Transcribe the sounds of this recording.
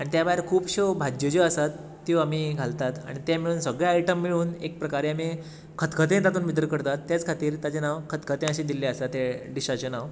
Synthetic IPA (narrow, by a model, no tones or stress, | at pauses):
aɽ̃it̪jabaɦeɾkʰuːpɕobʱad͡ʑjod͡ʑoəsat̪ː | iʋamiːɡʱalt̪at̪a̰ɽ̃it̪jamiɭuːnsəɡɭjaajiʈəmːiɭuːnek̚pɾəkaɾeami | kʰət̪kʰət̪ẽt̪̬at̪uːnʋid̪ɾəkəɾt̪at̪ːjat͡skʰat̪iːɾt̪at͡ɕenaʋkʰət̪kʰət̪ẽəɕiːd̪ilːeəsat̪ːeɖiɕat͡ɕenaʋ